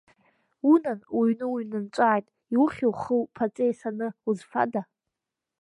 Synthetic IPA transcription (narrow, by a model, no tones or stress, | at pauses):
unanwuɥnɨuɥnɨnt͡ʃʷʼaːjtʼ | iwʊχʲiwχəwpʰat͡sʼejsanɨuzfa̰da